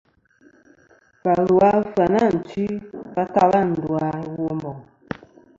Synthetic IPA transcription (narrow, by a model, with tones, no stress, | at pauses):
pa˨lu˨a˦fa˨na˦˨n̩˨t͡ʃi˦ba˦ka˦ba˦˨n̩˨du˨a˨˦wo˦mbɔ˨ŋ